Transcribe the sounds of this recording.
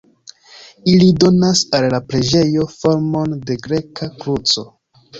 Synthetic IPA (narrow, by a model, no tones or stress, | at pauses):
ilido̞nasalːapɾe̞d͡ʒe̞jo̞fo̞ɾmo̞nde̞ɡɾe̞kakɾut͡so̞